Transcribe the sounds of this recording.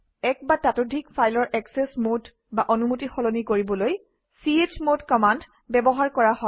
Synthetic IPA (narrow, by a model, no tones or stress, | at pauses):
ɛk̚batatodʱikfʰajlɔɹʔɛksesmod | baʔɔnumutixɔlonikoɹibɔloj | siet͡ʃmotkɔmand | bɛbɔɦaɹkɔɹahɔ